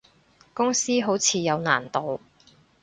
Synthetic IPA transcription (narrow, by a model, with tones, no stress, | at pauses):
kʊ˥ŋsiː˥ɦo˨˥wt͡sʰiː˨˧jɐ˨˧wna̰ː˨˩nt̪o˨˧w